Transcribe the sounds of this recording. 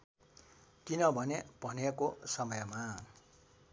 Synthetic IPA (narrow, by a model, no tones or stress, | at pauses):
kinʌbʱʌnebʱʌnekosʌmʌjma